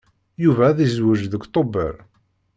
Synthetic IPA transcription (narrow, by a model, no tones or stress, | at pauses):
juvæðizwəʒðəkt̪ˤobə̰ɾ